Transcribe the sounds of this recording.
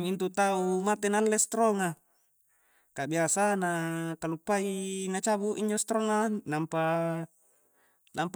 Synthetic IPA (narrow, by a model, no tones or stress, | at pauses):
mint̪ut̪aumat̪enalːest̪ɾoŋa | kabiasanakalupːainat͡ʃabuʔiɲd͡ʒost̪ɾoŋanampa | namp